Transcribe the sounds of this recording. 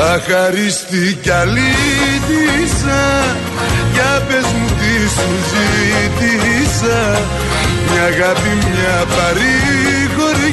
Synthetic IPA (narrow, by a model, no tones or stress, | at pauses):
axaɾist̪ikalidisa | japɛsmut̪isuzidisa | mjaɣabimmjapaɾi | kɔɾi